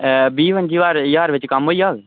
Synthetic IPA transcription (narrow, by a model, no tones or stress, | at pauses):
biːʋənd͡ʒiːʋaːɾjaːɾʋɪt͡ʃkəmɦoːiaːɡ